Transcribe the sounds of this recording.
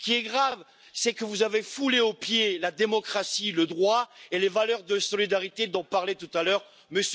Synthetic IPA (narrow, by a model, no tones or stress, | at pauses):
kʲiɛɡʁav | sɛkəvuzavefuleopjelad̪emɔkχasiləd̪ʁwaelevalœʁd̪əsɔlid̪aʁit̪ed̪ɔ̃paʁlɛt̪ut̪alœʁ | məs